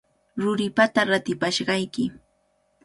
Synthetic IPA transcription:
ɾʊɾɪpat̪aɾat̪ɪpaʃɢɑjkɪ

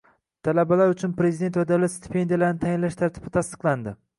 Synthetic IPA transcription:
t̪ʰalabalaɾʊt͡ʃʰʊnpɾe̞zid̪e̞nt̪vad̪awlat̪st̪ʰe̥pʰe̞nd̪ijalaɾnɪt̪ʰajɪnlaʃt̪ʰaɾt̪ʰɪb̥ɪt̪ʰast̪ɨ̥qlˠand̪ɪ

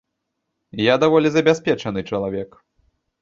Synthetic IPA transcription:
jad̪avɔlʲizɐbʲaspʲɛt͡ʂɐnɨt͡ʂɐlˠavʲɛk

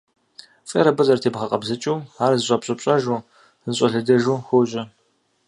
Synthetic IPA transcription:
fʼḛɾɐbɨzɐrtʰeːbʁɐqʼɐbzɐt͡ʃʼuwaːrzɨɕʷʼɐpɕʼɐpɕʼɐʒu | ɕʼɐɮɐdɐʒuːxʷoɕʼɐ

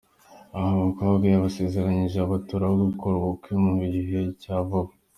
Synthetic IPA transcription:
ahaβakoβabɡijaβase̞ːze̞ɾaɲiʒeaβatuɾawoɡukʰoɾβokiomuβiɾiɦecaːvaβo

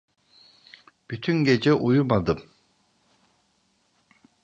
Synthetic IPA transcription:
b̥yt̪ʰyŋɡed͡ʒɛʔujumad̪ɯm

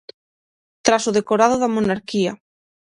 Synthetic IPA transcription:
t̪ɾasoð̞ekoɾað̞oðamonaɾkia

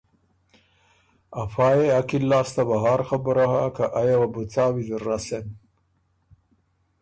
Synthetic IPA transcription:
afaːjeakilːaːst̪abaɦɑːɾxabəɾahakaʔajawabut͡saːwiziɾːasen

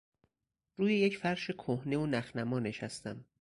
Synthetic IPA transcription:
ɾuːjejecfæɾʃe̞kʰohne̞onæxnæmɒːne̞ʃæst̪æm

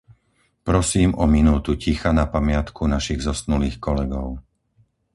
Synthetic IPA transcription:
pɾɔsiːmʔɔminuːt̪ucixanapamɪat̪kʰunaʃiɣzɔsnuliːxkɔlɛɡɔʊ

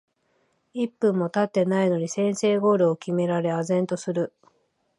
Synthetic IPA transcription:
ipːɯ̟̃mːo̞t̪at̪ːe̞naino̞ɲ̟isẽ̞ɰ̃se̞ːɡo̞ːɾɯ̟okʲime̞ɾaɾe̞azẽ̞nt̪o̞sɨɾɯ̟

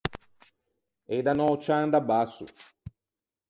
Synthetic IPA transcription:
ejd̪anɔt͡ʃand̪abasṵ

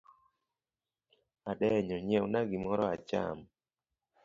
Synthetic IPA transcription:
aɗɛɲɔɲɛwnaɡimɔɾɔat͡ʃa̰m

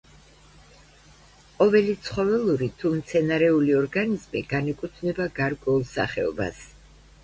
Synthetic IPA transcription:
qʼɔvɛlit̪sʰχɔvɛlˠuɾit̪ʰumt̪sʰɛnaɾɛuliɔɾɡanizmiɡanikʼut̪ʰnɛbaɡaɾkʼwɛulˠsa̰χɛɔba̰s

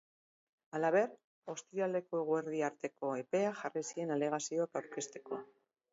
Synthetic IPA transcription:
alaβ̞e̞r | o̞st̪ɾiale̞ko̞e̞ɣ̞ueɾðiaɾt̪e̞ko̞e̞pe̞axarisie̞nale̞ɣ̞asio̞akawɾke̞st̪e̞̥ko̞

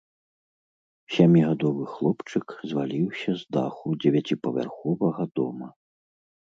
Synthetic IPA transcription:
sʲamʲiɣad̪ɔvɨxlˠɔpt͡ʂɨkzvalʲiwsʲɐzd̪a̰xud͡zʲɛvʲat͡sʲipɐvʲa̰rxɔvɐɣɐd̪ɔmɐ

